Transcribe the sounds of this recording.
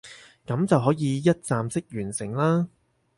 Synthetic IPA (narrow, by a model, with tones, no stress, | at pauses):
kɐ˨˥mt͡sɐ˨wɦɔː˨˥jiː˨˧jɐ˥t̚t͡saː˨msɪ˥k̚jyː˨˩nsɪ˨˩ŋlaː˥